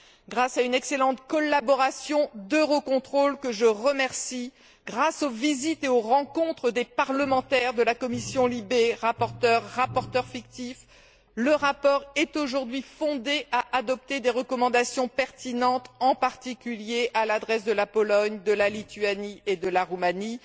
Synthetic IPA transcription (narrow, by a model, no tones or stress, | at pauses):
ɡʁasaynɛkselɑ̃t̪kɔlːabɔʁasjɔ̃d̪øʁokɔ̃t̪χolkəʒəʁəmɛʁsi | ɡ̥ʁasovizit̪eoʁɑ̃kɔ̃t̪χəd̪epaʁləmɑ̃t̪ɛʁd̪əlakɔmisjɔ̃libeʁapɔʁt̪œʁːapɔʁt̪œʁfik̚t̪if | ləʁapɔʁɛt̪oʒuʁd̪ɥifɔ̃d̪eʔaʔad̪ɔp̚t̪ed̪eʁəkɔmɑ̃d̪asjɔ̃pɛʁt̪inɑ̃t̪ɑ̃paʁt̪ikʲyljeʔalad̪ʁɛsd̪əlapɔlɔɲd̪əlalit̪ɥanied̪əlaʁumani